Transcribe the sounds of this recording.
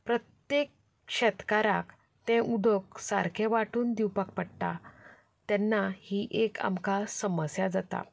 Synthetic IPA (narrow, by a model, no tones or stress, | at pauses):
pɾət̪jek | ɕɛt̪kaɾak | t̪ɛ̃ʔud̪ʱək̚sa̰ɾkʰɛʋaʈuːnd̪iwpak̚pəɽt̪a | t̪ɛnːahiːʔeka̰mkasəməsjad͡zat̪a̰